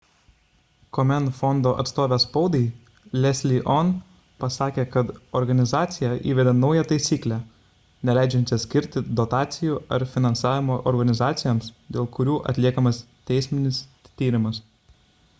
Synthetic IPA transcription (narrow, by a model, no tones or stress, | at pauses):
kɔmʲɛnfɔnd̪oːʔɐ̰t̪st̪oːʋʲɛspɐʊd̪ʲɐɪ | lʲɛsʲlʲiʔɔn | pɐsɑːkʲeːkɐt̪ɔɾɡɐnʲɪzɑːt̪sʲɪjɛʔiːʋʲɛd̪ʲɛnɒʊjɛt̪ɐɪsʲiːklʲæ | nʲɛlʲæˑɪd͡ʒʲɛnʲt͡ʃʲɛsʲkʲɪɾʲt̪ʲɪd̪ɔt̪ɑːt̪sʲɪjuɐɾfʲɪnɐnsɑːʋʲɪmoːʔɔɾɡɐnʲɪzɑːt̪sʲɪjoːmsd̪ʲeːlˠkʊɾʲuːʔɐ̰t̪ʲlʲiɛkɐmɐs | t̪ʲɛɪsʲmʲɪnʲɪst̪ʲiːɾʲɪmɐs